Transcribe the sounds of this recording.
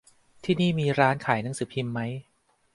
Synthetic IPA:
t̪ʰiː˥˩niː˥˩miː˧ɾaː˦˥nkʰaː˨˩˦jna˦˥ŋsɯː˩˦pʰi˧mːa˦˥j

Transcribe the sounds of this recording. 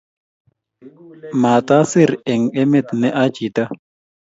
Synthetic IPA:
maː˨t̪a˦si˦˨ɾɛ˨ŋɛ˦mɛ˨t̪nɛ˦ʔa˦t͡ʃi˨t̪a˦

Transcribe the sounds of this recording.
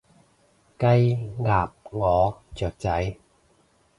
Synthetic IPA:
kɐ˧jŋaː˨p̚ŋɔː˨˧t͡sœː˨˩k̚t͡sɐ˨˥j

